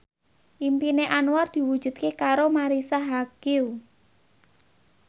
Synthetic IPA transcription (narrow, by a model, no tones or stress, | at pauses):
ʔimpineʔanward̪̥i̤wu̥ʒ̥ṳt̪̚kekaɾomaɾisaɦakiu